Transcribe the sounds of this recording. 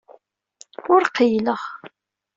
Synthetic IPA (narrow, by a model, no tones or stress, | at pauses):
ʊɾqijləʁ